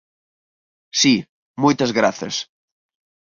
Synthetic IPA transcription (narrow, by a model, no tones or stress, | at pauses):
si | mojt̪ɐzɣɾaθɐ̰s